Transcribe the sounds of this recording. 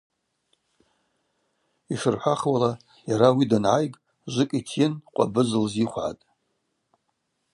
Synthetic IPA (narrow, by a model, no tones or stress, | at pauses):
iʂɨrħʷaχwala | jaɾawidanʕajɡʼ | ʒʷɨkʼitʰjɪnqʷʼa̰bɨzɨlziχʷʕa̰tʼ